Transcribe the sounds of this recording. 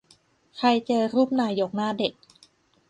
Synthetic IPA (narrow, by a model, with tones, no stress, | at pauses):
kʰa˧jt͡ɕɤː˧ɾuː˥˩p̚naː˧˩jːo˨˩k̚naː˥˩de˨˩k̚